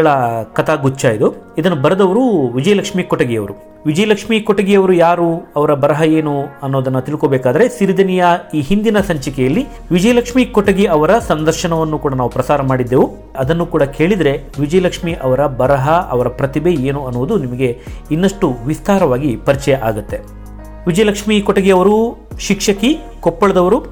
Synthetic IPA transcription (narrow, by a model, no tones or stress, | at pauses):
ɐɭɐkɐt̪ʰaːɡut͡ʃːajid̪uid̪ɐnːubɐɾɐd̪ɐʋɐɾuʋid͡ʒɐjɐlɐkʂmikɔʈɐɡijɐʋɐɾu | ʋid͡ʒɐjɐlɐkʂmikɔʈɐɡijɐʋɐɾujaːɾuɐʋɐɾɐbɐɾɐɦɐe̞ːnuɐnːoːd̪ɐnːɐt̪iɭkoːbɛːkaːd̪ɐɾe̞siɾid̪ɐnijɐiːɦind̪inɐsɐɲt͡ʃɐkɛjɐlːi | ʋid͡ʒɐjɐlɐkʂmikɔʈɐɡiɐʋɐɾɐsɐnd̪ɐɾʃɐɳɐʋɐnːukuːɽɐnaːʋupɾɐsaːɾɐmaːɽid̪ːeːʋu | ɐd̪ɐnːukuːɽɐkʰe̞ːɭid̪ɐɾe̞ | ʋid͡ʒɐjɐlɐkʂmiʔɐʋɐɾɐbɐɾɐɦɐʔɐ̰ʋɐɾɐpɾɐt̪ibeeːnuɐnːuʋud̪unimɐɡe̞inːɐʂʈuʋist̪aːɾɐʋaːɡipɐɾit͡ʃɛjɐʔaːɡut̪ːe̞ | ʋid͡ʒɐjɐlɐkʂmikɔʈɐɡiɐʋɐɾu | ʃikʂɐki | kɔpːɐɭɐd̪ɐʋɐɾu